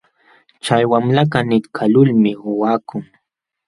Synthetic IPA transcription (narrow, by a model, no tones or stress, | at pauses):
t͡ʃajwamlaɢanɪɾkʰalʊlmɪʊwaːkʊŋ